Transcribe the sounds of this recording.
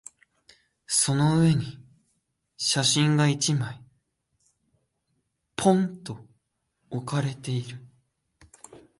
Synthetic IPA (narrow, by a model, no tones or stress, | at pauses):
so̞no̞ɯ̟e̞ɲ̟i | ɕaɕĩŋɡait͡ɕimai | pʰõ̞nt̪o̞ː | kaɾe̞t̪e̞iɾɯ̟